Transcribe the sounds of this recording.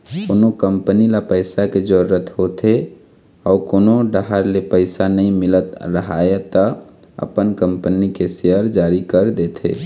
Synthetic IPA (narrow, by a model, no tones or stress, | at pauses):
koːnokəmpənilapəɪsaked͡ʒəɾət̪ɦot̪e | ɔːɾkoːnoɖəɦaɾlepəɪsanəĩmɪlət̪ɾəɦaːet̪ə | ə̰pənkəmpənikeseəɾd͡ʒaːɾikəɾd̪et̪ʰḛː